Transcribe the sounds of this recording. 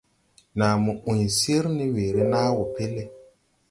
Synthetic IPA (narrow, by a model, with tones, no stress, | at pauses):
na˨mu˨ʔũ˨ɲ˨si˦ɾni˦we˨ɾe˦naː˦wo˨pe˦le˨